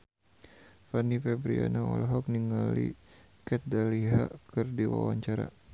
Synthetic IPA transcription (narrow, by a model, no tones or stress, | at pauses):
fanifɛbɾianaɔlɦɔk̚niŋalḭ | kɛt̪̚daliɦa̰kɨrdiwa̰waɲt͡ʃaɾa̰